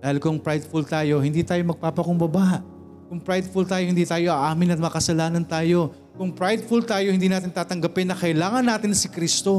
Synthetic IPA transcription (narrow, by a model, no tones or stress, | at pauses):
d̪aːhɪlkʊŋpɾajd̪fult̪aːjo̞hɪnd̪iːt̪aːjo̞mɐɡ̚paːpɐkʊŋbɐbaʔ | kʊŋpɾajd̪fult̪aːjohɪnd̪iːt̪aːjo̞ʔɐʔaːmɪnɐt̪̚mɐkɐsɐlaːnɐnt̪aːjo̞ | kʊŋpɾajd̪fult̪aːjohɪnd̪iːnaːt̪ɪnt̪aːt̪ɐŋɡɐpɪnːɐkɐʔɪlaːŋɐnːaːt̪ɪnsɪkɾiːst̪o̞